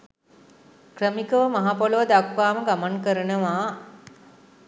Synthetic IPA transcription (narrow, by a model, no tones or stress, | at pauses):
krəmikəʋəmaɦapoləʋəd̪akʋaːməɡamaŋkəɾənəʋaː